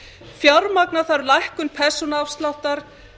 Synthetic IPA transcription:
fjawɾmaknaθaɾlajhkʏnpʰɛsɔnafst̪lawht̪aɾ̥

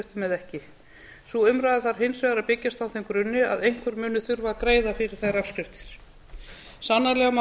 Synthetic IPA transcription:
ʏht̪ʏmɛðɛhcɪ | suʏmɾajðɪθaɾ̥ɦejnsvɛɣaɾaðpɪcːast̪awθejmkɾʏnːɪa̰ðejŋ̥kvʏɾmʏːnʏθʏɾvakɾeːjðafɪɾɪɾ̥θejrafskɾɪft̪ɪ̥ɾ̥ | sanːalɛːɣama

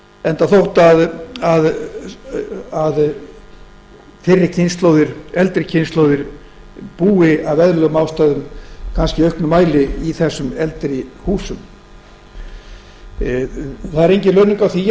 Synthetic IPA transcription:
ɛnt̪aθowht̪aðað | að | fɪrːɪcʰɪnst̪lowðɪɾ̥ɛlt̪ɾɪcʰɪnst̪lowðɪɾ̥ | puːɪavɛðɾlœɣmawst̪ajðʏmkʰanscɪœɥhknʏmaːjlɪiθɛsːʏmɛlt̪ɾɪhuːsʏm | θaðɛɾejɲcɪlœːnʏŋkawθi

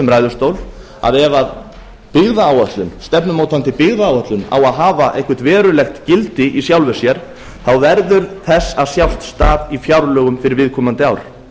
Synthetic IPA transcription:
ɛmɾaːjðʏɾ̥st̪owl | a̰ðɛvað | pɪɣðaːwœht̪lʏnst̪ɛpnʏmoːwt̪ant̪ɪpɪɣðaːwat̪lʏna̰waðɦaːvaʔejhkvʏ̥t̪vɛːɾʏlɛxt̪cɪlt̪ɪʔisjawlvɛ̥sjɛɾ̥ | θawvɛɾðʏɾθɛsːaðsjawst̪st̪aːðifjawɾlœːɣʏmfɪɾɪɾvɪðkʰɔːmant̪ɪawɾ̥

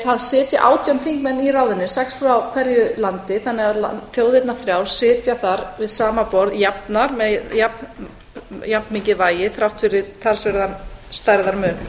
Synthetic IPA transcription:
θaðsɪːt̪jaʔa̰ːwt̪ʰjanθiŋkmɛnːiraːwðɪnːɪsɛksfɾawkʰvɛɾjʏlant̪ɪθanːɪɣaðla̰fjoːwðejt̪naθɾjaːwɾ̥sɪːt̪jaθaɾvɪðsaːmapɔɾðjapnaɾmɛjapn | japnmiɲcɪðvaːjɪθɾawht̪fɪɾɪɾ̥t̪ʰalsvɛɾðanst̪ajɾðaɾmœːn

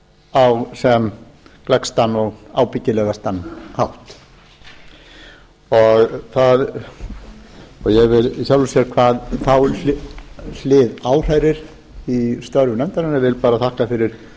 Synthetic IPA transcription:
awsɛm | klɛkst̪anːɔɣaːwpɪcːɪlɛɣast̪anːhawht̪ | ɔɣθað | ɔɣjɛɣvɪlsjawlʏsjɛɾkʰvaːðθaw | l̥ɪðaːwr̥ajɾɪɾ̥ | ist̪œɾvʏnɛmt̪aɾɪnɪvɪlpaːɾaθahkafɪɾɪɾ̥

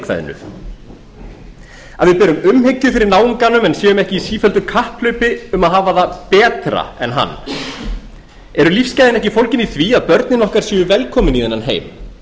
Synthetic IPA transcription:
kva̰jð̰nʏ̰ | a̰ðvɪðpɛːɾʏmʏmhecːʏfɪɾɪɾnaːwɪŋkanːʏmɛnsjɛːɣʏmɛhcɪisiːfœlt̪ʏkʰahplœɥpɪʏmaðɦaːvaðapɛːt̪ɾa̰ɛ̰nɦa̰nː | ɛɾʏlifscajðɪnɛhcɪfowlcɪniθviːaðpœɾt̪nɪnɔhkaɾ̥sjɛːʏvɛlkʰɔːmɪniðɛnːanɦḛːjm

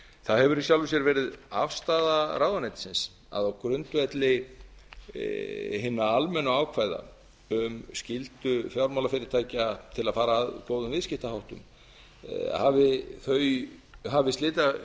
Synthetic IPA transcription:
θaðhɛvʏɾisjawlvʏsjɛɾvɛːɾɪða̰fst̪aːðaɾaːwðanajt̪ɪ̥sɪns | a̰ðawkɾʏnt̪ʏɛt̪lɪ | ɦɪnːaalmɛnːaaːwkʰvaːjða̰ | ʏmscɪlt̪ʏfjawɾmawlafɪɾɪɾ̥t̪ʰaːjcat̪ʰɪlaðfaːɾaːðkoːwðʏmvɪðscɪht̪ahawht̪ʏ̰m | havɪθœːɥjɦavɪst̪ɪːt̪a

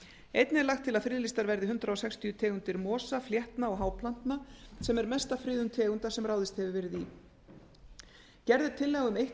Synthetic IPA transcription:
ejt̪nɪlaxt̪ʰːɪlaðfɾiːlist̪aɾvɛɾðɪɦʏnt̪ɾaɔsɛkst̪ʰijʏt̪ʰɛːɣʏnt̪ɪɾmɔːsafljɛht̪naɔɣɦawpʰlan̥t̪nasɛmɛɾmɛst̪afɾɪːðʏnt̪ʰɛːɣʏnt̪ḁsɛmraːwðɪst̪hɛvɪvɛːɾɪði | cɛɾðɪt̪ʰɪlːɛɣʏmejh

